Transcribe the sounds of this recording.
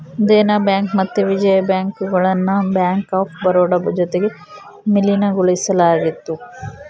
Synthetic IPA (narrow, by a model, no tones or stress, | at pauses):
d̪eːnɐbjaːŋkmɐt̪ːeʋid͡ʒɐjɐbjaːŋkuɡɐɭɐnːubjaːŋkaːpbɐɾoːɖɐbud͡ʒɐt̪eɡe | milinɐɡuɭisɐlaːɡit̪ːu